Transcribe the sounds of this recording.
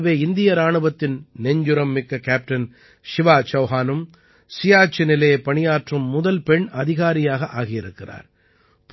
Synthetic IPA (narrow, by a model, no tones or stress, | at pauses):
ʋeːɪnd̪ɪjɐɾaːɳɯʋɐt̪ːɪnnɛɲd͡ʒʊɾɐmːɪkːɐkaːp̚ʈɐn | ʃɪʋaːt͡ʃɐʊɦaːnɯm | sɪjaːt͡ʃːɪnɪlɐjpɐɳɪjaːʈrɯmːʊðɐlpɛɳɐðɪɣaːɾɪjaːɣɐʔaːɣɪjɪɾɯkːɪra̰ːɾ | p